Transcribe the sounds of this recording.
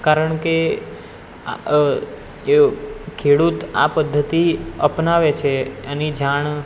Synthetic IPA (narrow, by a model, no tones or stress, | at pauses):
kaɾəɳke | kʰeɽut̪a̰pəd̪ʱːət̪iəpnaʋet͡ʃʰeanid͡ʒaɳ